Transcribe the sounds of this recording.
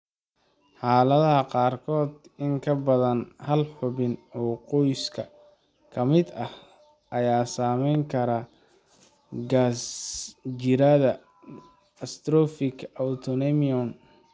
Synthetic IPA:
ħɑːlɐðɐɦɐqɑːrkʰɔːd̪ɪŋkʰɐbɐðɐnhɐlħʊβɪnɔːqɔjskʰɐ | kʰɐmɪd̪ɐh | ʔɐjaːsaːmɛjŋkʰɐɾɐ | ɡas | d͡ʒɪɾɐðɐ | ɐst̪ɾɔfɪkʰɐwt̪ʰɔnɛmiɔn

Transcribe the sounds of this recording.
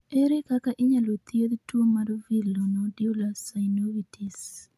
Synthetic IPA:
eɾekakaʔɪɲalot̪jed̪twomaɾvilonɔdiulasajnowitʰis

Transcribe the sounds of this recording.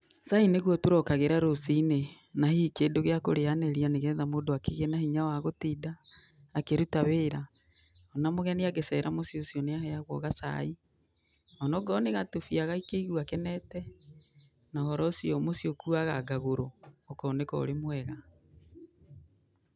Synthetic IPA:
saineɣwɔtoɾɔkaɣeɾaɾosine | nahikedoɣeakoɾeanɛɾianeɣɛːðamoːdoakeɣenahiɲawaɣotidaː | keɾutaβeːɾa | ɔnamoɣɛniaɣesɛɾʔamosjosjɔneahɛaɣwɔ̰ɣasa̰i | ɔnɔɡɔneɣatofiaɣaikeiɣwakɛnɛtɛ | nahɔɾɔsiɔmosiokuaɣaɡaɣoɾoːkɔnekɔ̰o̰ɾemwɛɣa

